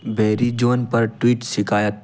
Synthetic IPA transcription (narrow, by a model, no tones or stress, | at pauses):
beːɾid͡ʒoːnpɐɾʈwiːʈʃɪkʰaːjət̪̚